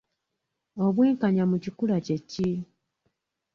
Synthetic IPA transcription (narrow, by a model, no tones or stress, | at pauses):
o̞βweːŋkaɲamucikulace̞cːi